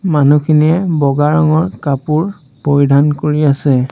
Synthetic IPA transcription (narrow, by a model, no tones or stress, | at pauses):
manukʰiniɛbɔɡaɹɔŋɔɹkapuɹ | poɹidʱankoɹiasɛ